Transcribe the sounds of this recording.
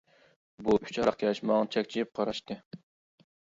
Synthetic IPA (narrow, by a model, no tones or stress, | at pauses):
buy̥t͡ʃʰɑɾɑqjɑʃmɑŋt͡ʃʰɛkʲt͡ʃʰijip̚qʰɑɾɑʃt̪ɨ